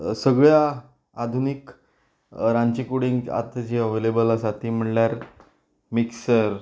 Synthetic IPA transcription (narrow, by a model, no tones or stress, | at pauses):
səɡɭja | ad̪ʱunik | ɾãɲt͡ɕikuɽiŋɡa̰t̪d͡ʑeəʋelebəlasat̪iːm̤əɳljaɾ | miksəɾ